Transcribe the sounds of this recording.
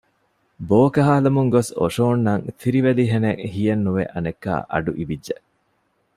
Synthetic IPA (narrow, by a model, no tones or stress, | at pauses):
boːkɐɦaːlɐmuŋɡoso̰ʃoːnːɐŋt̪ʰiɾiʋeliɦeneŋhijɐnːuʋḛʔɐnekːa̰ːʔɐ̰ɖuʔiʋidʒeʔ